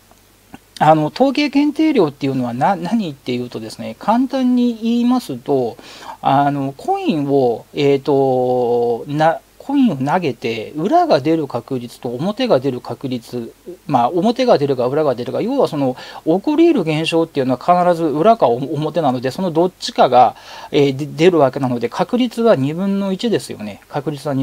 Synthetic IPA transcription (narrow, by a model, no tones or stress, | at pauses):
ano̞t̪o̞ːke̞ːkẽ̞nt̪e̞ːɾʲo̞ːt̪ːe̞jɯ̟no̞β̞ananaɲ̟it̪ːe̞jɯ̟ːt̪o̞d̪e̞sɨ̥ne̞kʰãnt̪ãɲ̟ːiiːmasɨt̪o̞ano̞kʰo̞ĩɰ̃o̞eːt̪ːo̞ | na | kʰo̞ĩɰ̃o̞naɡe̞t̪e̞ɯ̟ɾaɡad̪e̞ɾɯ̟kakɯ̟ɾʲit͡sɨ̥t̪o̞ːmo̞t̪e̞ɡad̪e̞ɾɯ̟kakɯ̟ɾʲit͡sɨmaomo̞t̪e̞ɡad̪e̞ɾɯ̟ɡaɯ̟ɾaɡad̪e̞ɾɯ̟ɡajo̞ːβaso̞no̞okɯ̟ɾʲiːɾɯ̟ɡẽ̞ɰ̃ɕo̞ːt̪ːeiɯ̟noakʰanaɾazɨɯ̟ɾakaːmo̞t̪e̞nano̞d̪e̞so̞nod̪o̞t͡ɕːi̥kaɡaeːd̪e̞ɾɯ̟βake̞nano̞d̪e̞kʰakɯ̟ɾʲit͡sɨβaɲ̟ibɯ̟̃nːo̞it͡ɕid̪e̞sɨjo̞̰ne̞kakɯ̟ɾʲit͡sɨβaɲi